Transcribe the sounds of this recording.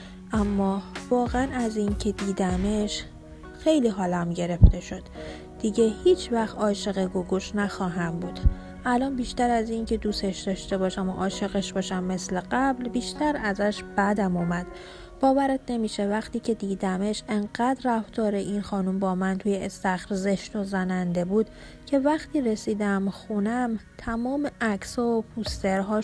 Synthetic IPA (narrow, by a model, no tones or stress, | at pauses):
ʔæmːɒːvɒːɣeænæziːncʰe̞d̪iːd̪æmeʃ | xejliːɦɒːlæmɟe̞ɾe̞ft̪e̞ʃo̞d̪̥ | d̪̥iɟe̞hiːt͡ʃʰvæxt̪ɒːʃe̞ɣeɡoɡoʃnæxɒːɦæmbuːd̪̥ | ʔælɒːnbiːʃt̪æɾæziŋcʰe̞d̪uːseʃd̪̥ɒːʃt̪e̞bɒːʃæmɔ̰ʔɒːʃe̞ɣeʃbɒːʃæmːe̞sleɢæblbiːʃt̪æɾæzæʃb̥æd̪æmumæd̪̥ | b̥ɒːvæɾet̪ʰne̞miːʃevæxt̪iːcʰe̞d̪iːd̪æmeʃeŋɢæd̪ræft̪ɒːɾeʔiːnxɒːnumbɒːmænt̪ʰuːjeest̪æxɾze̞ʃt̪ozænænd̪e̞buːd̪ | cʰe̞væxt̪ʰiːɾesiːd̪æmxunæmt̪ʰæmɒːmeʔæcsopʰust̪e̞ɾɦɒː